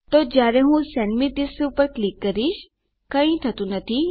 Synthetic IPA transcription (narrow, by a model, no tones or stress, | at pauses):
t̪od͡ʒaːɾẽɦũsɛnmid̪isupəɾklikːɐɾiʃ | kɐĩt̪ʰɐt̪ũnɐt̪ʰi